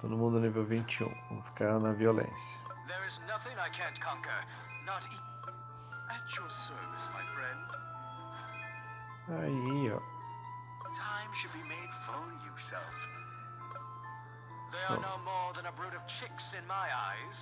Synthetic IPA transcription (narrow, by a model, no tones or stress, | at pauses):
t̪õ̰d̪ʊmũnd̪ʊniveɾvĩnt͡ʃiṵ̃võ̰mʊfi̥kaɾanɐviolḛ̃sjɐ̥ðə˞ɨznʌθɪ̃ŋaɪkʰæ̃nkʰɑ̃ŋkə̰˞ | nəɾi | ɨt͡ʃə˞sɜ˞vɨsmaɪfɹɛ̃nd̥ | aiɔ̰ | tʰãɪ̃mʃɨd̚bimeɪd̥fɔlˠjjəsɛ̰lˠf | ðeɪə̰noʊmɔɹðə̃nəbɹʉɾʌv̥t͡ʃʰɪksɨ̃nmaɪaɪz̥